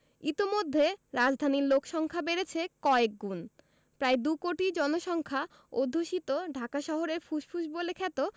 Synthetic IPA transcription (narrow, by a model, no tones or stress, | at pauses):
it̪imod̪ʱːeɾad͡ʑd̪ʱaniɾlokʃɔŋkʰabeɾet͡ɕʰekɔek̚ɡun | pɾaed̪ukoʈid͡ʑɔnoʃɔŋkʰa | od̪ʱːoʃit̪oɖʱakaʃɔɦoɾeɾfuʃfʰuʃbolekʰɛt̪o